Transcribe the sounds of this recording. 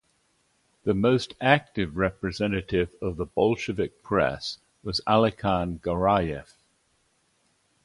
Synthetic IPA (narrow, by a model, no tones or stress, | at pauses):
ðəməʊstʰak̚tɪvɹɛpɹɨzɛ̃ñətɪvəvðəbɒlˠʃəvɪk̚pʰɹ̥ɛ̰s | wɒzalɪkʰɑ̃nɡəɹaɪɛf